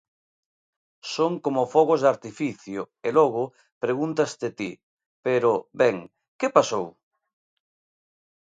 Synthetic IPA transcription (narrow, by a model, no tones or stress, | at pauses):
soŋkomʊfɔɣozðaɾt̪ifiθjʊ | elɔɣ̞ʊ | pɾeɣunt̪ast̪et̪i | peɾʊbɛŋ | kepasow